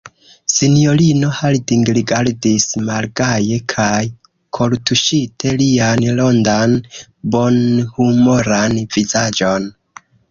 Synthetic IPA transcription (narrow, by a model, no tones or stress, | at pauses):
sinio̞lino̞haldiŋɡɾiɡaɾdismalɡaje̞kʰaj | kʰo̞ltuʃitʰe̞lianlo̞ndanbo̞nhumoɾanv̥izad͡ʒo̞n